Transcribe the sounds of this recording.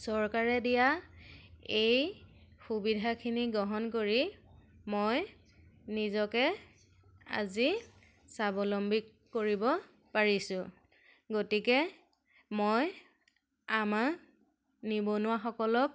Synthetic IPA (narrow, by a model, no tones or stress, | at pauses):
sɔɹkaɹɛdija | ejxubidʱakʰiniɡɔɦɔnk̬oɹimoj | nizɔkɛ | a̰zi | sabɔlɔmbikːoɹibɔ | paɹisʊ̃ | ɡotikɛ | moj | ama | nibɔnʊwaxɔkɔlɔk̚